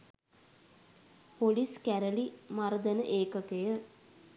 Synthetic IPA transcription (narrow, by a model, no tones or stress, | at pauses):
poliskæɾəlimaɾəd̪ənəʔeːkəkejə